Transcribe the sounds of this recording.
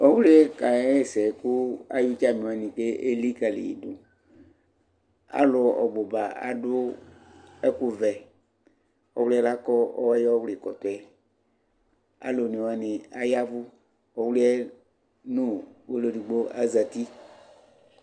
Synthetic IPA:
ɔ˦wu˦li˦ɛ˦ka˨˦e˦˨sɛ˨ku˦a̰˦ju˦t͡ʃa˦˨mĩ˨wa˨nĩ˨ke˦ʔe˦li˦ka˨lḭ˨jḭ˨dʊ˨ | a̰˦lʊ˨˦˨ɔ̰˨ɡ͡bo˨ba˨a̰˨dʊ˦ | ɛ˦ku˦vɛ˨ | ɔ˨˦wli˦ɛ˦la˦kɔ˦ɔ̰˦wa˦jɔ˦wli˨kɔ˨t̪ɔ˨ɛ˨ | a̰˦lo˨nĩ˨wa˨nĩ˨a˦ja˦vu˦ | ɔ˨wli˦ɛ˦ | nũ˦wo˦lo˨di˨ɡ͡bo˦ʔa̰˦za˨t̪i˦

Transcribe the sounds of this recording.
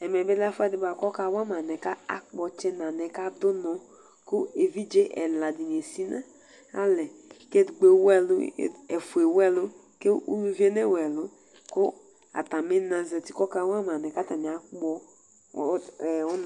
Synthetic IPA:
ɛ˨mɛ˨be˦la˦fɛ˦di˨˦ba˨kɔ˦ka˨˦wa˦ma˨nɛ˨ka˦a̰˨k͡pɔ˨t͡ʃɛ˦na˨nɛ˨ka˦dʊ˦nɔ˨ | ko˦e˨vi˦d͡ʒe˦ʔɛ̰˨la˨di˨n˨e˨si˦na˦ | a̰˦lɛ˨ke˦dɡ͡be˨˦wɛ˦lʊ̰˦˨e˨fu˨e˨wɛ˦lʊ˦ | ke˦u˦nu˦vi˦e˦ne˦wɛ˨lʊ˦ | ko˦ | a̰˨ta˨me˦na˨zɛ˨ti˨kɔ˦ka˦wa˦ma˨nɛ˨ka˦ta˨ni˨a˨k͡pɔ˦˨ | ɔ˦n

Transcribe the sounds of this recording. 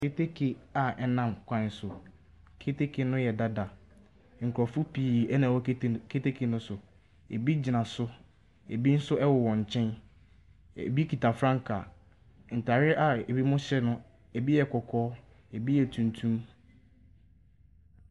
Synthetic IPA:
kʰe˦tʰe˦kʰe˨a˨ɛ˦nã˦mkʷʰã˨n˨sʊ˨ | kʰe˦tʰe˦kʰe˨nʊ̃˦jɛ˨da˦da˨ | ŋ̩˨kʰɾɔ˨fʊ˦pʰiː˨ɛ˦nã˨wɔ˦kʰe˦te˦kʰe˨nʊ̃˦sʊ˨ | e˨bi˦d͡ʑi˨nã˨sʊ˦ | e˨bi˦n̩˦sʊ˦ʔɛ˦wɔ˨wɔ̃˨ɲ̩˨t͡ɕʰɛ̃˦n | ḛ˨bi˦kʰi˨tʰa˨fɾã˦ŋ˦kʰa˨ | n̩˨tʰa˨ɾɪ˦ʔa˨e˨bi˦mʊ̃˦ɕɛ˦nʊ̃˦ | e˨bi˦jɛ˨kʰɔ˨kʰɔː˦ | e˨bi˦jɛ˨tʰũ˨ntʰũ˦m

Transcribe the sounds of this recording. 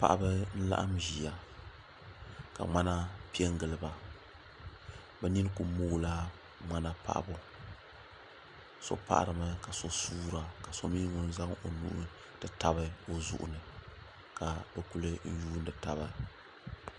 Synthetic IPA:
pa̰˨ʔa˦bɨ˦n̩˦la̰˦ʔa̰˦mʒi˨a˨ | ka̰˨ŋ͡ma˦na˦pi˦ɛ˦ŋɡɨ˨lɨ˨ba˨ | bɛ˦ni˦n˦ku˨˦moː˦˨la˦ | ŋ͡ma˦na˦pa̰˦ʔbo˨ | so̰˨˦pa̰˦ʔa̰˨ɾɨ˨ma˦ka˨so˨suː˦ɾa˨ka˨so˦miː˦ŋʊ˦n̩˦za˦ŋo˨nṵ˦ʔʊ˦ | d̥ɨ˨ta˨bɨ˦o˨zṵ˨ʔʊ̰˦nɨ˨ | ka˨bɨ˨ku˦lɨ˦n̩˦juː˦n˦dɨ˨ta˨βa˨

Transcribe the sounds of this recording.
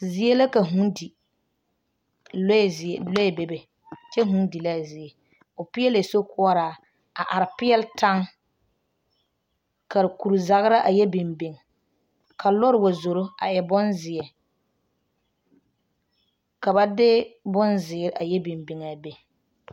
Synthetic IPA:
zɪ˨ɛ˦la˦ka˨ɦũ˦ndi˨ | llɔ˦ɛ˨be˦be˨ | t͡ʃɛ˦ɦũ˦ndi˨la˦˨zɪ˨ɛ˨ | ʊ˨pɪ˦ɛ˦le˨so˦kʊ˦ɔ˦ɾaː˨ | a˨ʔa˨ɾɪ˨pɪ˦ɛ˦lta˦ŋ | ka˨ɾku˨ɾza˨ɣɪ˦ɾa˦ʔa˨jɛ˦bɪ˨mbe˨ŋ˨ | kʰa˨lɔ˦ɾɪ˨wa˨zo˨ɾo˦a˨jɛ˨bʊ˦nzɪ˨ɛ˨ | ka˨ba˦dɪ˦bʊ˦nzɪ˨˦ɾa˨jɛ˦bɪ˨mbɪ˨ŋa˨be˨

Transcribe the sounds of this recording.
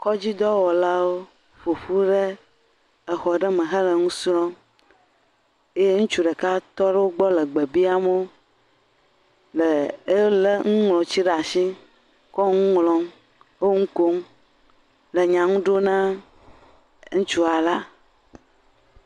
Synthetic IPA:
kɔ˦d͡ʑi˦d̪ɔ˦wɔ˨la˦wo˦ | ɸo˨ɸu˦ɖe˦ | ɛ˨xɔ˨ɖɛ˦mə̃˨ɦə˦lə˨ŋũ˦sɾɔ̃˦ | e˦je˦ŋũ˦t͡ʃu˨ɖɛ˨ka˦t̪ɔ˦ɖɛ˦wo˦ɡ͡bɔ˦lə˨ɡ͡be˨bi˦a˦m˦o˦ | lə˨e˦lə˦ŋũ˦ŋlɔ̃˨t͡ɕi˦ɖa˨si˦ | kɔ˦ŋũ˦ŋlɔ̃˦m | o˦ŋũ˦ko˦ŋ | lə˨ɲã˨ŋũ˦ɖo˦nã˦ | ŋũ˦t͡ʃu˦a˨la˦

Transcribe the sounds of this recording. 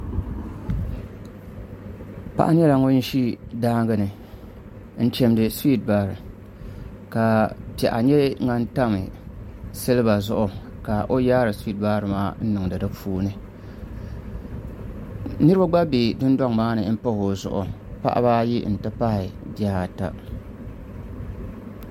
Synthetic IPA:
pa̰˨ʔa˦ɲ˦ɛ˦la˨ŋo˦n̩˦ʃi˦daː˦ŋ˦ɡɨ˦nɨ˨ | n̩˦t͡ʃɛ˦mdɨ˨si˦t̚baː˨ɾɨ˨ | ka˨pɛ˨ʔa˨ɲɛ˦ŋa˦n˦ta˦mɨ˨sɨ˦lɨ˦ba˨zʊ˦ʔʊ˨ka˨ʔo˦jaː˦ɾɨ˨si˦t̚baː˦ɾɨ˨maː˦n̩˦nɨ˨ŋdɨ˨dɨ˦fuː˦nɨ˦ | nɨ˦ɾɨ˦ba˦ɡ͡ba˦be˨dʊ˦nda˦ŋmaː˦nɨ˨˦m̩˦po˦ho˨zʊ̰˨ʔʊ̰˨ | pa̰˦ʔa̰˦baː˦ji˦n̩˨tɨ˦pa˦hɪ˨di˨˦a˦ha˨ta̰˦

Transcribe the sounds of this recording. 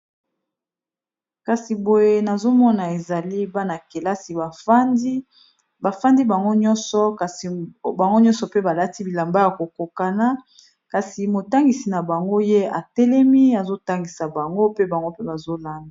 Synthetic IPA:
ka˨si˨bo˨je˦na˨zo˦mɔ˦na˨e˨za˨li˦ba˦na˨ke˨la˦si˨ba˨˦ | ba˨fa˦ndi˦ba˨ŋɡo˦ɲɔ˦nsɔ˨ksba˨ŋɡo˦ɲɔ̃˦nsɔ˨pe˦ba˨la˦ti˦bi˨la˨mba˦ja˨ko˨ko˨ka˨na˦ | ka˨si˨mo˨ta˦ŋɡi˨si˨na˨ba˨ŋɡo˦je˦a˨tɛ˦lɛ˦mi˦a˨zo˦ta˦ŋɡi˨sa˨ba˨ŋɡo˦pe˦ba˨ŋɡo˦pe˦ba˨zo˦la˦nda˨

